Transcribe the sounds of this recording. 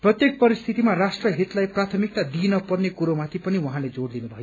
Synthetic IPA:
prʌt̪jek̚pʌɾist̪ʰit̪imarasʈrʌɦit̪lajprat̪ʰʌmik̚t̪ad̪inʌpʌrnekuɾomat̪ʰipʌniwaɦãled͡zoɽd̪inubʱʌjo

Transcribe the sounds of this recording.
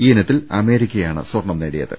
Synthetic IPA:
iːenɐt̪ːilɐ̰me̞ːɾikʲːɐjaːɳɨ̰swɐrɳɐmneːɽijɐ̰ðɨ̰

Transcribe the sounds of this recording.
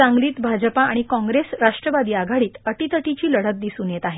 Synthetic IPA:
ãŋɡliːt̪bʱad͡ʑəpaaɽ̃ikɔ̃ŋɡɾesɾaʂʈɾəʋad̪iːaɡʱaɽiːt̪əʈiːt̪əʈit͡ɕiːləɽ̤ət̪̚d̪isuːnjet̪aɦe

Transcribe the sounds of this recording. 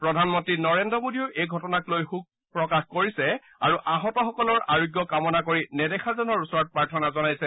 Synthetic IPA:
pɹɔdʱanmɔntɹinɔɹendɔmodiɔɹejɡʱɔtɔnaklojxuk̚ | pɹɔkaxkoɹisɛ | aɹuʔaɦɔtɔxɔkɔlɔɹaɹoɡjɔkamɔnakoɹinɛdɛxʰazɔnɔɹusɔɹɔt̚pɹaɹtʰɔnazɔnajsɛ

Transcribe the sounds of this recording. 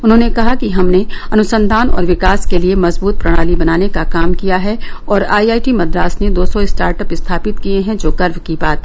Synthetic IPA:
ʊnɦõːnekɐɦakiɦɐmneɐnʊsə̃nd̪ʱaːnɔ̰ːɾʋɪkaːskeliemɐzbuːt̪̚pɾɐɽ̃aːlibɐnaːnekakaːmkijaɦɛɔːɾaːiaːiʈimɐd̪ɾaːsned̪oːsɔɪsʈaːɾʈəpɪst̪ʰaːpɪt̪kieɦɛ̃d͡ʒoːɡɐɾʋkibaːt̪

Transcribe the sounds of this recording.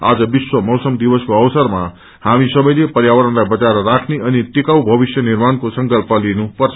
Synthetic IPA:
a̰d͡zʌbiswʌmʌwsʌmd̪ibʌskoʌwsʌrma | hamisʌbʌjlepʌrjawʌɾʌnlajbʌt͡saɾʌrakʰneʔʌnit̪ikawbʱʌbisjʌnirmankosʌŋkʌlpʌlinupʌrt͡sʰ

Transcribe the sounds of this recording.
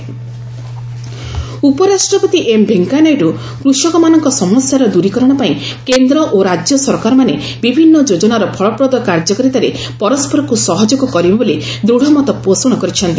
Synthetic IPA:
upɔɾasʈɾɔpɔt̪iʔembʱeŋkanɔjɾu | kɾuʃɔkɔmanɔŋkɔsɔmɔsjaɾɔd̪uɾikɔɾɔɽ̃ɔpaĩkend̪ɾɔʔoɾad͡ʒjɔsɔɾkaɾɔmane | bibʱinːɔd͡ʒod͡ʒɔnaɾɔpʰɔɭɔpɾɔd̪ɔkaɾd͡ʒɔkɔɾit̪aɾe | pɔɾɔspɔɾɔkusɔɦɔd͡ʒɔkɔkɔɾibɔboli | d̪ɾuɽ̤ʱɔmɔt̪ɔposɔɽ̃ɔkɔɾit͡ʃʰɔnt̪i

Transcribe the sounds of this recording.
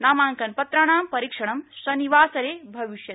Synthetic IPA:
naːmaːŋkɐnpɐt̪ɾɐɽ̃aːmpɐɾikʂɐɽ̃ɐmsɐniʋaːsɐɾeːbʱɐʋiʃjɐ

